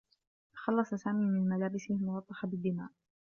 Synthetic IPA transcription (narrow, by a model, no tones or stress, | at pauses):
xɑlːɑsˤɑsaːmiːmɪnmalaːbɪsɪmʊwɑt̪ˤːɑħɑbɪd̪ːɪma̰ːʔ